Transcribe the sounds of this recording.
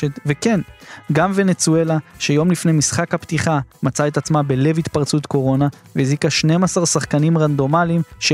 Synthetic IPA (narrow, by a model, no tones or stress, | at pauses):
et̪veke̞nɡamve̞net͡sue̞laʃejo̞mlifnejmisχakhapt̪iχamat͡saet̪at͡smabe̞le̞vit̪paʁt͡sut̪ko̞ʁo̞naveizikaʃne̞masaʁsaχkanimʁand̪o̞malimʃe